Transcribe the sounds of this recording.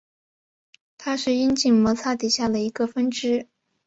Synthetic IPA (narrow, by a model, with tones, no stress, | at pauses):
t̪ʰa˥ʂɻ̩˥˩i˥nt͡ɕi˥˩ŋmɔ˧˥t͡sʰa˥˩t̪i˨˩ɕja˥˩d̪ə˩i˧˥ɡə˧fə˥nʈ͡ʂɻ̩˥